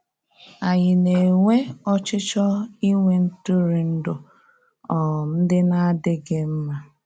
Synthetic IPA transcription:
a˨ɲɪ˨ne˨ŋʷe˦ɔ˦t͡ʃɪ˦t͡ʃɔ˦i˦ŋʷe˨n̩˦tʊ˦ɾi˨n̩˦dʊ˨ | ɔ˨n̩˦dɪ˦na˦dɪ˦ɡɪ˦m̩˦ma˦

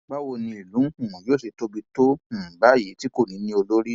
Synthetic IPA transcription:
ɡ͡ba˦wo˧nĩ˧i˨lũ˨˦˨ɔ̃˨joː˦˨se˨to˦bi˧to˦˨ɡ͡ba˦je˨˦ti˦ko˦˨nĩ˨˦nĩ˧o˧lo˦ɾi˦

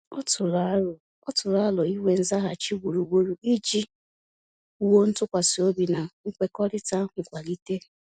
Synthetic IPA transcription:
ɔ˦tʊ˨ɾa˨˦ʊ˨ | ɔ˦tʊ˨ɾa˦lɔ˨i˦wʷe˨n̩˦za˦ɦa˨t͡ʃi˦ɡʷu˨ɾu˨ɡ͡bo˨ɾu˨i˦d͡ʒi˦ | u˦wo˦n̩˦tʊ˦kʷa˨si˨o˦bi˨na˨ŋ̩˦kʷe˦kɔ˦ɾɪ˦ta˦ɦ̩˨kʷa˨li˦te˦

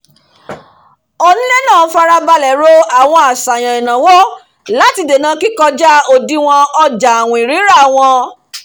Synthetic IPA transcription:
o˧nĩ˦le˦nãː˦˨˦fa˧ɾa˧ba˧lɛ˨˦ɾo˦a˦˨w̃ɔ̃˧a˨sa˨j̃ã˨ĩ˨nã˨wɔ˦ | la˨˦ti˧de˨nãː˨˦ki˦kɔ˧d͡ʒa˦o˧di˦w̃ɔ̃˧ɔ˧d͡ʒa˨w̃ɔ̃˨i˨ɾi˨˦ɾa˦˨w̃ɔ̃˧

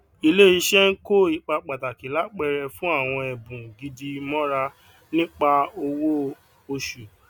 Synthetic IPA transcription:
i˧le˦i˧ʃɛ˦n̩˦ko˦i˦˧k͡pa˧k͡pa˨ta˨ki˨˦la˦k͡pɛ˧ɾɛ˧fũ˦a˦˨w̃ɔ̃˧ɛ˨bũ˨ɡi˧di˧mɔ̃˦ɾa˧ | nĩ˦k͡pa˧o˧wo˦ | o˧ʃu˨

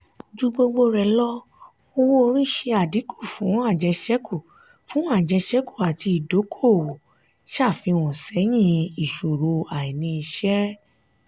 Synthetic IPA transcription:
d͡ʒu˦ɡ͡bo˧ɡ͡bo˧ɾɛ˧lɔ˦ | o˧wo˦o˧ɾi˦ʃe˧a˨di˨˦ku˦˨fũ˨˦a˦˨d͡ʒɛ˧ʃɛ˦kʰu˦˨ | fũ˨˦a˦˨d͡ʒɛ˧ʃɛ˦ku˦˨a˨ti˧i˨do˨˦kʰo˦˨wo˨ | ʃa˦˨fĩ˧w̃ɔ̃˨sɛ˨˦j̃ĩ˦i˨ʃo˨ɾo˧a˨i˨nĩ˧i˧ʃɛ˦

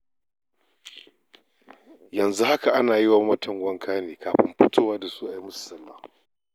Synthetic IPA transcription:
jɐ˨nzu˦ha˦ka˨ʔa˦naː˨jɪ˦waː˨mɐ˦tʰɐ˨ŋɡʷɐ˦ŋkʰaː˦neː˨kaː˨ɸɪ̰˦mɸɪ˦tʰoː˦waː˦da˨su˦ʔa˨ji˦mʊ˦sɐ˨lːaː˦˨

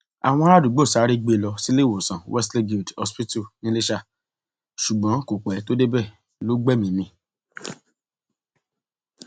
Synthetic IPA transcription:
a̰˨w̃ɔ̃˧˦ɾa˦˨du˨˦ɡ͡bo˦˨sa˨˦ɾi˦ɡ͡be˧˨lɔ˧si˦le˦˨wo˨sã˨wɛ˦sle˦ɡi˨dɔ̰˧spi˦tu˦˨nĩ˦le˦ʃa˦˨ | ʃu˨ɡ͡bɔ̃˨˦ko˨k͡pɛ˨˦to˦de˦bɛ˦˨ | lo˦ɡ͡bɛ˦˨mĩ˨˦nĩ˧˦

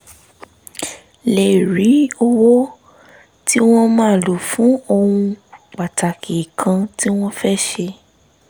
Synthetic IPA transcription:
le˨ɾi˨˦o˧wo˦ | ti˦w̃ɔ̃˦mãː˦˨lo˨fũ˨˦õ˧ũ˧k͡pa˨ta˨kʰi˨kʰã˧ti˦w̃ɔ̃˦fɛ˦ʃe˧

